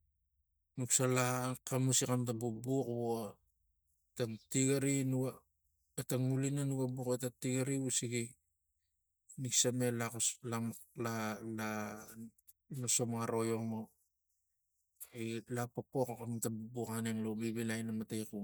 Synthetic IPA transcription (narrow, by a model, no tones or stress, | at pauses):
nuksalakamusikantabubuko | taŋtiɡaɾinua | etaŋulinanuɡabuketatiɡaɾiusiɡi | niksame̞lalalala | maso̞maɾo̞jomo | ilapopokkantabubukaneŋlobibilajnamatejku